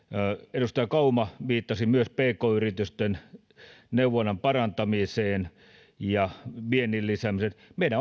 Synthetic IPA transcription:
edust̪ɑjɑkɑumɑʋiːt̪ːɑsimyøspeːkoːyrit̪yst̪en | neuʋˑonːɑmpɑrɑnt̪ɑmiseːn | jɑʋienːillisæmisenmeˑilæ

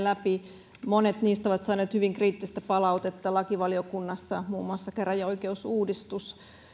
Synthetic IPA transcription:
læpi | monet̪niːst̪oʋɑt̪sɑːneːt̪hyʋiŋkriːt̪ːist̪æpɑlɑut̪et̪ːɑlɑkiʋɑliokunːɑsːɑmuːmːuɑsːɑkerɑjɑoikeusuːdist̪us

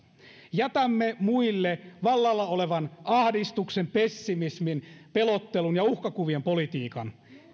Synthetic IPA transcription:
jæt̪æmːemuilːeʋɑlːɑlːɑoleʋɑnɑhdist̪uksempesːimisminpelot̪ːelunjɑuhkɑkuʋiempo̞lit̪iːkɑn

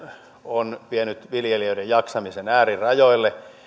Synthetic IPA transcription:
onpienyt̪ʋiljeliøidejjɑksɑmisenæːrirɑjoilːe

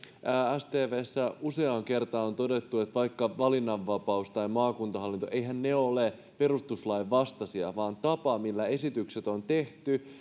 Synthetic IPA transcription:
ææst̪eːʋeːsːæuse̞ɑŋke̞rt̪ɑo̞nt̪o̞de̞t̪ːue̞t̪ʋɑjkːɑʋɑlinːɑʋːɑpɑust̪ɑjmɑːkunt̪ɑɦɑlːint̪oʔejɦænneole | pe̞ɾust̪uslɑiʋːɑst̪ɑsiɑʋɑːnt̪ɑpɑmilːæe̞sit̪ykset̪o̞nt̪e̞ht̪y

